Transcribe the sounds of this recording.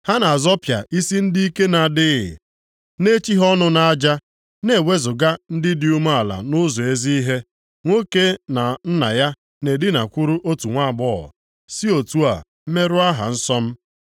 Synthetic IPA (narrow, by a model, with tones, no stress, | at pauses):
ha˦na˨a˨zɔ˦pja̰˨ʔi˦si˦n̩˦di˦i˦ke˦na˨dɪ˦ɣɪ̰˨ | ne˦t͡ʃi˦ɦɔ˦nʊ˦na˨a˦d͡ʒa˦ | ne˨we˦zʊ˨ɡa˦n̩˦dɪ˦di˦u˦ma˦a˨la̰˨nʊ˦zɔ˨e˦zi˦i˦ɦe˦ | ŋʷo˦ke˦na˨n̩˦na˨ja˦ | ne˨dɪ˦na˨kʷu˦ɾu˦ʔo˦tu˨ŋʷa˦˨bɔ̰˦˨ | si˦o˨tu˦a̰˨ | m̩˦me˦ɾʊ˦a˦ɦa̰˨n̩˦sɔ˦m̩˦